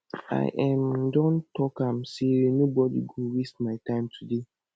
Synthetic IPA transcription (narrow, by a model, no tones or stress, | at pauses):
a̰ɪʔãmdɔ̃ntʰɔkãmsenobɔdḭɡowestmaɪtãɪ̃mtʰude